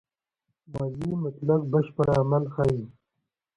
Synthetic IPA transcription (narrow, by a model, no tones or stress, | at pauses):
mazimʊt̪lak̚baʃpəɽaːmalxai